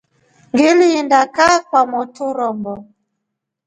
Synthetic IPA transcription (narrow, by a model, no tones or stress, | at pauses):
ɡelindakakʷwamɔtʊɾɔmbɔ